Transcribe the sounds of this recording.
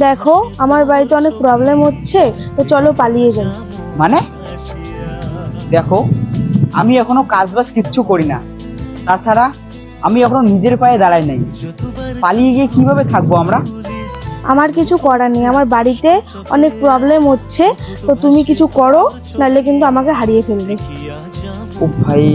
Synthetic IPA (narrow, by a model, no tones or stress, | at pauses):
d̪ɛkʰoamaɾbaɾit̪eɔnek̚pɾɔblemɦotːɕʰe | t̪ot͡ɕɔlopalijed͡ʑan | mane | d̪ɛkʰo | amiɛkʰonokad͡ʑbaskiːɕʰukoɾina̰ | t̪at͡ɕʰaɾa | amiɛkʰononid͡ʑeɾpaed̪aɽajnaj | palijeɡiekibʱabet̪ʰak̚boamɾa | a̰maɾkit͡ɕʰukɔɾaniamaɾbaɽit̪e | ɔ̰nek̚pɾɔblemɦotːɕʰet̪ot̪umikit͡ɕʰukɔɾo | nalek̬int̪uamakeɦaɽijefʰelbe | obʱaj